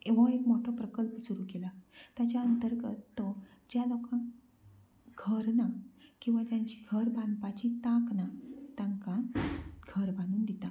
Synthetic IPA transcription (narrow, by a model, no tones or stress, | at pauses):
eʋə̃ekmoʈʰɔpɾəkəlpəsuɾukelat̪jat͡ɕjaənt̪əɾɡət̪ːɔ | d͡ʑjalɔkãn | ɡʱəɾnakĩw̃ʋad͡ʑjaɲt͡ɕiɡʱəɾbʱãnd̪pat͡ɕit̪ãknat̪ãŋkaɡʱəɾbʱanuːnd̪it̪a